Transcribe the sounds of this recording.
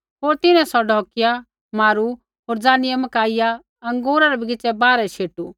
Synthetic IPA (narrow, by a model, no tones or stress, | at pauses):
ɦoːɾt̪ɪnɛ̃sɔɖʱɔːkɪja | maːɾu | ɦoːɾd͡zaːnɪjɛmɐkaːɪja | ɐ̃ŋɡoːɾaɾɛbʱiɡɪt͡ʃɛbaːɾɛʃeːʈu